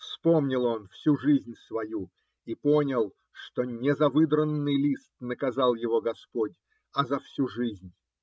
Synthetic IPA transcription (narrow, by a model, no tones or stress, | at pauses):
fspomnʲɪlˠo̞nfsʲuʐɨzʲnʲsvɐju | iponʲəlˠ | ʂt̪onʲɪzɐvɨd̪ɾənːɨjlʲist̪̚nəkɐzɑlˠjɪvoɡɐspodʲ | ɐzɐfsʲuʐɨzʲnʲ